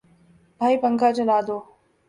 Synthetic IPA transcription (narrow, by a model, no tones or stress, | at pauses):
bʱaːipəŋkʰat͡ʃɐlaːd̪oː